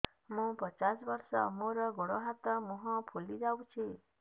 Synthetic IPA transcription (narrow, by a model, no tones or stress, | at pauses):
mũpət͡ʃasbəɾsɔmoɾɔɡɔɽɔɦat̪ɔmũɦɔ̃pʰulid͡ʒaw̃t͡ʃʰi